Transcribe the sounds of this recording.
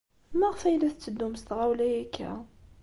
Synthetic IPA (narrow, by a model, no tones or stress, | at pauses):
mæʁfæjlæθt͡sːəd̪ːumst̪ʁæwlæjækʰːæ̰